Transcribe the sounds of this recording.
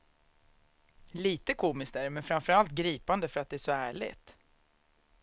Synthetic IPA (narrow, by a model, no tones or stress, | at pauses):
liːt̪əkʰuːmɪskt̪æɾɛmɛnfɾamfœɾalt̪̚ɡɾiːpand̪əfœɾat̪̚d̪ɛæʂɔæːɭɪ̰t̪